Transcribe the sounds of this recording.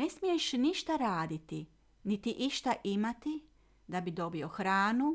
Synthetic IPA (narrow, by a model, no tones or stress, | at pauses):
ne̞smije̞ʃniʃt̪aɾaːd̪it̪i | nit̪iʔiʃt̪aʔimat̪i | d̪abid̪o̞bio̞xɾaːnu